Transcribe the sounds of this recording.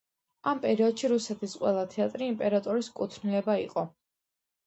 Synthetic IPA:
ampʼɛɾiɔd̪ʃiɾusɛt̪ʰisqʼwɛlˠat̪ʰɛat̪ʼɾiːmpʼɛɾat̪ʼɔɾiskʼut̪ʰnilɛbaiqʼɔ

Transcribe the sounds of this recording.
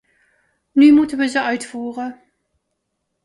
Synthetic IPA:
nyːmutəvəzəʔaɥtfuːʁə

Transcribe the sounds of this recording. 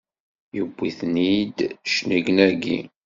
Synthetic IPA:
jəbːiθnid̪ʃnəɡnæɾɡḭ

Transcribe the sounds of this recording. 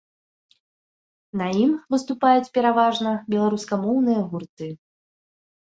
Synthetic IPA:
nɐimvɨst̪upajut͡sʲpʲɛɾavaʐnɐbʲɛlˠaɾuskamɔwn̪ɨjɐɣurt̪ɨ

